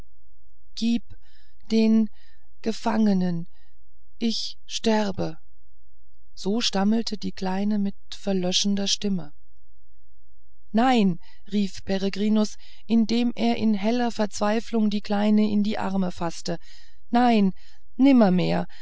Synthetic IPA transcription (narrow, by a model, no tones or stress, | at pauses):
ɡ̥iːp | d̥eːn | ɡ̥əfaŋənən | ʔɪç | ʃtɛʁbə | z̥oːʃtaml̩tʰədiːkl̥aɪnəmɪt | fɛɐlœʃn̩dɐʃtɪmə | naɪn | ʁiːfpʰɛʁeɡʁiːnʊs | ʔɪndeːmʔeːɐʔɪnɦɛlɐfɛɐt͡sv̥aɪflʊŋdiːkl̥aɪnəʔɪndiːʔa̰ɐməfastə | naɪn | nɪmɐmeːɐ